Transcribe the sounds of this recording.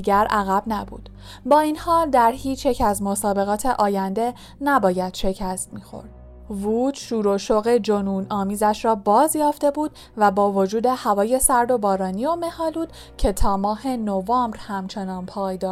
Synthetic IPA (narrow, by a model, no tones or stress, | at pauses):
iɡæɾæɣæbnæbṵːd̪̥ | bɒːinhɒːld̪æɾhiːt͡ʃʰjecʰæzmo̞sɒːbe̞ɣɒːt̪ʰe̞ʔɒːjænd̪e̞ | næbɒːjæd̪̥ʃe̞cʰæst̪miːxo̞̰ɾd̪̥̚ | vuːt̪ʃuːɾoʃoɣe̞d͡ʒonuːnɒːmiːzæʃɾɒːbɒːzjɒːft̪e̞buːd̪̥ | væbɒːvo̞d͡ʒuːd̪e̞hævɒːje̞sæɾd̪o̞bɒːɾɒːniːome̞hɒːluːd̪̥ | cʰe̞t̪ʰɒːmɒːhe̞novɒːmbɾhæmt͡ʃʰe̞nɒːnpʰɒːjd̪ɒː